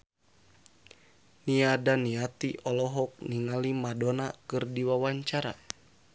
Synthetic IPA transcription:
niadaniat̪iʔɔlɔɦɔk̚niŋalimadɔnakɨrdiwawaɲt͡ʃaɾa̰

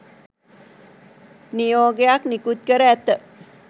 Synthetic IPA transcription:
nijoːɡejaknikut̪̚kəɾæːt̪ə

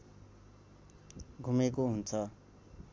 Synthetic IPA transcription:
ɡʱumekoɦunt͡sʰʌ

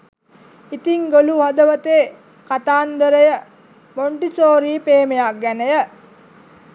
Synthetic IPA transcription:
it̪iŋɡoluɦɐd̪əʋət̪eː | kat̪aːnd̪əɾəjə | moɳʈisoːɾiːpeːmejak̚ɡænəjə

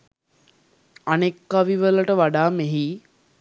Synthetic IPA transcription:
anekːaʋiʋələʈəʋaɖaːmeɦi

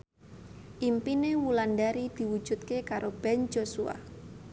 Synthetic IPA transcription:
ʔimpinewulandaɾid̪̥i̤wud̥ʒ̥ṳt̪̚kekaɾʔob̥ɛnd͡ʒosua̰

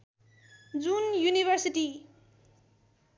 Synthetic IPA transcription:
d͡zunjuniβʌrsiʈi

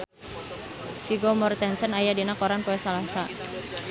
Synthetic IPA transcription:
fiɡɔmɔrt̪ɛnsənajadinakoɾanpoɛsalasa

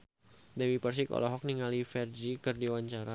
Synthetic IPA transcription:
dɛwipərs̬ikɔ̰lɔɦɔk̚niŋalifɛrd͡ʒikɨrdiwaɲt͡ʃaɾa

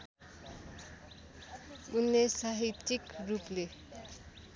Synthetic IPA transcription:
unːesaɦit̪ːikruple

